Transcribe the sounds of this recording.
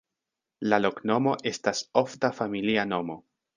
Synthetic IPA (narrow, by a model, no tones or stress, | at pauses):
lalo̞kno̞mo̞ʔe̞staso̞ftafamiliano̞mo̞